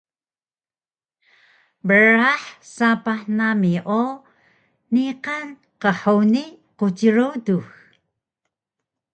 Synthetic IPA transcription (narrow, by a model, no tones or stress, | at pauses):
bəɾaħsapaħnamiʔo | niqan | qəħuni | qutiɾudux